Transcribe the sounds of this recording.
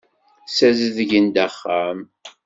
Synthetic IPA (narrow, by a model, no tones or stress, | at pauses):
sæzəðʝənd̪æχːam